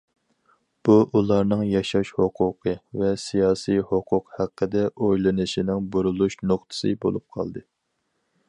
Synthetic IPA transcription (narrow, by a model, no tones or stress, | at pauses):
b̥uʔulˠɑɾnɨŋjɑʃɑʃhoqʰʊqʰəvɛsijɑːsijhoqʰʊqhæqʰːəd̪ɛʔojlˠɨnɨʃinɪŋbuɾulˠuʃnoχt̪ʰɨ̥sɨbo̰lˠup̚qʰɑ̰lˠd̪ɨ